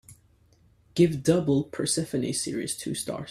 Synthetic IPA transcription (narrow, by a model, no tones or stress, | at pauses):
ɡ̥ɪvdʌbl̩ˠpʰə˞sɪfɨnḭsɪɹḭz̥tʰʉ̰stɑ̰ɹ